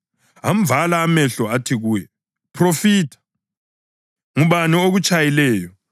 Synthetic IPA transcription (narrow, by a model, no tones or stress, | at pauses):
am̩b̪valaːmɛɬɔatʰiɣujɛ | pʰrofiːtʰḁ | ŋuβanioɣut͡ʃʼajilɛːjɔ